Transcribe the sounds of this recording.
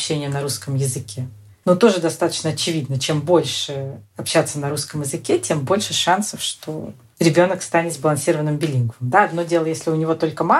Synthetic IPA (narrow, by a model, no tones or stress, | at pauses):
ɕːenʲɪjənɐɾuskəmjɪzɨkʲe | nut̪o̞ʐɨd̪ɐst̪at̪ə̥t͡ɕnəɐt͡ɕɪvʲid̪nət͡ɕe̞mbo̞lʲʂɨɐpɕːat̪sənɐɾuskəmjɪzɨkʲetʲe̞mbo̞lʲʂɨʂansəfʂt̪o̞̰ | ɾʲɪbʲo̞nəkst̪anʲɪt̪zbəlˠɐnsʲiɾəvənːɨmbʲɪlʲinɡvɨmd̪aɐd̪no̞dʲe̞lˠəjesʲlʲɪʊnʲɪvo̞t̪o̞lʲkəma